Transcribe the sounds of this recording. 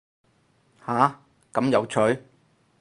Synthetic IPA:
haː˨˥ | kɐ˨˥mjɐ˨˧wt͡ʃʰɵ˨˥ɥ

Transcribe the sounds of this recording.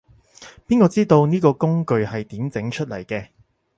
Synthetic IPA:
piː˥nkɔː˧t͡siː˥t̪o˧wniː˥kɔː˧kʊ˥ŋkɵ˨ɥhɐ˨jt̪iː˨˥mt͡sɪ˨˥ŋt͡ʃʰɵ˥t̚lɐ˨˩jkɛː˧

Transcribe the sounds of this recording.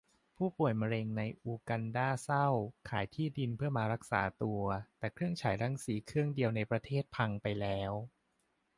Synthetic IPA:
pʰuː˥˩pu˨˩əjma˧ɾe˧ŋna˧jʔuː˧ka˧ndaː˥˩sa˥˩wkʰaː˩˦jt̪ʰiː˥˩di˧npʰɯ˥˩ɐmaː˧ɾa˦˥k̚sa̰ː˩˦t̪u˧ɐt̪ɛː˨˩kʰɾɯ˥˩əŋt͡ɕʰaː˩˦jɾa˦ŋsiː˩˦kʰɾɯ˥˩əŋdi˧əwna˧jpɾa˧t̪ʰeː˥˩t̪̚pʰa˧ŋpa˧jlɛː˦˥w

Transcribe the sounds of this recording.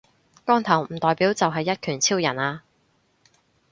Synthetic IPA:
kɔː˥ŋt̪ʰɐ˨˩wm̩˨˩t̪ɔː˨jpiː˨˥wt͡sɐ˨wɦɐ˨jːɐ˥t̚kʰyː˨˩nt͡sʰiː˥wjɐ˨˩naː˧

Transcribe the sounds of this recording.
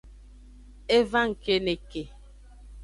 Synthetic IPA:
e˦va˦ŋ̩˨ke˦ne˨ke˨

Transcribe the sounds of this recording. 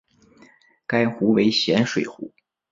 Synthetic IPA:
ka˥ɪxu˧˥we˧˥ɪɕjɛ˧˥nʂwe˨˩ɪxṵ˧˥

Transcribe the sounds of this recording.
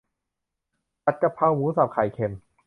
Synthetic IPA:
ta˦˥t̪̚ka˧pʰa˧wwuː˨˦˥sa˨˩p̚kʰa˨˩jkʰe˧˩m

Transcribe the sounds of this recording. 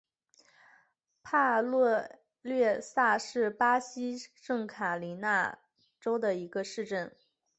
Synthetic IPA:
pʰa˥˧lwɔ˥˧ | lɥɛ˥˧sa˥˧ʂɻ̩˥˩pa˥ɕi˥ʂɤ˥˩ŋkʰa˨˩li˧˥na˥˩ | ʈ͡ʂo˥ʊd̪ə˨i˧˥ɡə˧ʂɻ̩˥˧ʈ͡ʂə˥˩n

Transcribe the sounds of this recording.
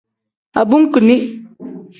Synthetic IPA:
a˨bu˦ŋ˦kɨ˨ni˦ʔ

